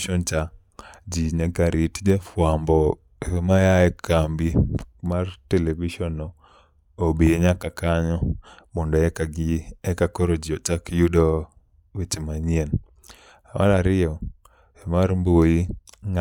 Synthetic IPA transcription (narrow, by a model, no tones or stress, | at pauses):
ʃont͡ʃa | d͡ʒiɲakaɾitd͡ʒefwambɔ | majaɛkambimarteleviʃɔnɔ | obieɲakakaɲɔmɔndɔɛkaɡɛkakoɾod͡ʒiɔt͡ʃakijudɔ | wit͡ʃimaɲien | awʔa̰laɾɪjɔ | ɛmaɾmbojiŋa